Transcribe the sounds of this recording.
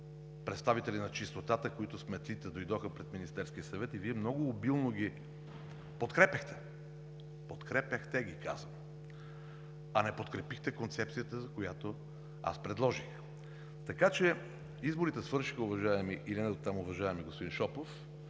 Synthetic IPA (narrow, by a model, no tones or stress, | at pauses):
pɾɛt̪st̪avit̪ɛlinɐt͡ʃist̪ot̪at̪əkoit̪ʊsmɛt̪lit̪ɛd̪ojd̪ɔxəpɾɛd̪minist̪ɛɾskiəsɐvɛt̪iviɛmnɔɡʊːbilˠnoɡi | pot̪kɾɛpʲjɐxt̪ɛ̥ | pot̪kɾɛpʲjəxt̪ɛɡika̰zvəm | ɐnɛpot̪kɾɛpixt̪ɛkont̪sɛp̚t̪sijət̪əzɐkojat̪o | a̰spɾɛd̪lˠɔʒix | t̪ɐkat͡ʃɛ | izboɾit̪ɛsvɤɾʃixəʊvɐʒaɛmiʔilinɛot̪ːamʊvɐʒaɛmiɡospod̪inʃɔpof